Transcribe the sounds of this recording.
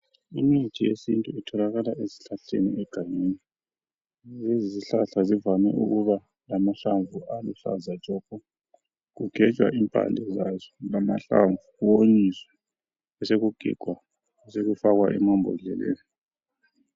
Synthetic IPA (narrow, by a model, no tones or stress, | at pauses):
imi̥t͡ʃʰʼijesintʼuitʰɔlaɣalaʔezi̥ɬaɬḛnḭʔɛɡ̥ʱaɲeːni | zeziziɬaɬazivamɛʔuɣuβa | lamaɬaɱvuʔaluɬa̰zḁd͡ʒ̥ʱʼɔkʰʼɔ | ɣuɡ̥ʱɛt͡ʃʼwa̰ʔimpʼa̰ndʱɛzazɔlama̰ɬa̰ɱvuuwoɲiswḁ | ɛseɣuɡ̥ʱḭɡ̥ʱwa | ɛseɣufaɣwaʔɛ̰mɔmbʱɔ̰ɮɛ̰lɛ̰ːni